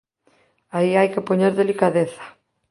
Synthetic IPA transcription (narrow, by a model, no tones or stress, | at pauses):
aiajkɪpoɲeɾðelikaðeθḁ